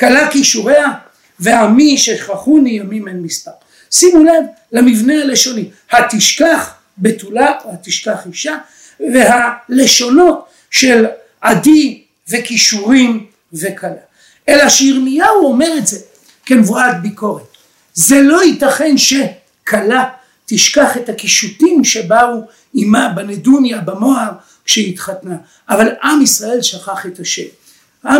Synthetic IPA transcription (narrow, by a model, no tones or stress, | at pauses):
kalakiʃuʁe̞a | veamiʃeχaχunijamimenmispaʁ | simulad | lamivneale̞ʃo̞ni | hat̪iʃkaχ | bet̪ulahat̪iʃkaχiʃa | vehale̞ʃo̞no̞t | ʃel | ʔadi | vekiʃuʁim | ve̞kʰala | ʔelaʃeiʁmijauo̞meʁetze̞ | ke̞nvuat̪̚biko̞ʁet | zelo̞itaχe̞nʃe̞ | kʰala | t̪iʃkaχethakiʃutimʃebau | imabenedunjabamo̞aʁ | kʃehitχatna | ʔːvalʔamisʁae̞lʃaχaχe̞taʃḛm | a